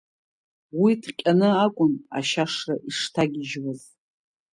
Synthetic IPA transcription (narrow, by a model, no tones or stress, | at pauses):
widʰqʲʼanɨakʷʼʊna̰ʃaʂraʔiʂtʰaɡʲɪʒwaz